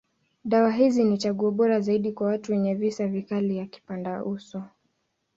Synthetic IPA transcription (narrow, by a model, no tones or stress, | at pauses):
ɗawaɦizinit͡ʃaɠuɔɓɔɾazaiɗikwawatuwɛɲɛvisavikalijaki̥pandaʔusɔ